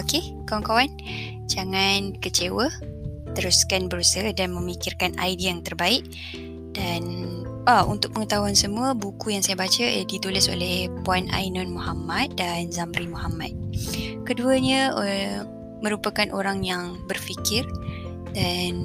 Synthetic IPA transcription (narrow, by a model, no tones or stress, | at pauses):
oke | kawankawan | d͡ʒaŋankət͡ʃewə | t̪əɾuskanbəɾusəədanmə̃mikɪrkana̰jdiaŋt̪ərbaɪʔ | danaṵnt̪ʊk̚məŋət̪aɦuansəmũəbukujaŋsajabat͡ʃədit̪ulɪso̰lɛhpuana̰jnɔnmɔhamat̪̚danzambɾimɔhamat̪̚kəduəɲəə | mə̃ɾupakanʔoɾaŋjaŋbərfikɪr | dan